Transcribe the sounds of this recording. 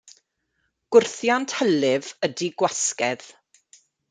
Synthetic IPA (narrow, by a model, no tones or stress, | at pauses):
ɡ̥ʊrθjantʰhɛlɪvədiɡwaskɛð̥